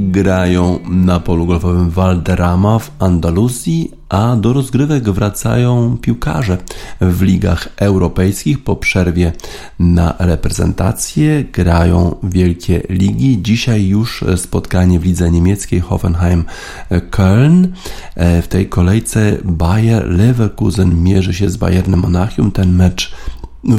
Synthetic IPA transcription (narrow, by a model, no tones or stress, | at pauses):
ɡɾajɔ̃w̃napɔluɡɔlvɔvɘmvald̪ɛɾamavand̪aluzʲji | ʔad̪ɔɾɔzɡɾɘvɛɡvɾat̪sa̰jɔ̃w̃pʲiwka̰ʐɛvlʲiɡa̰xɛwɾɔpɛjskʲixpɔpʂɛɾvʲjɛ | na̰ɾɛpɾɛzɛ̰nt̪a̰t̪sʲjɛɡ̥ɾajɔ̰̃w̃vʲjɛlkʲɛlʲiɡʲid͡ʑiɕajːuʂspɔt̪kaɲɛvlʲid̪zɛɲemʲjɛt̪skʲejxɔ̰fɛnxajm | kʰɛln | ft̪ɛjkɔlɛjt̪sɛbajɛɾlɛvɛɾkuzɛnmʲjɛʐɘɕɛzba̰jɛɾnɛmːɔnaxʲjumt̪ɛnmɛt͡ʂ